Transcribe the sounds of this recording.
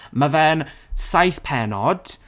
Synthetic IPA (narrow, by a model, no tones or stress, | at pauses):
mavɛnsajθpʰɛnɔd̥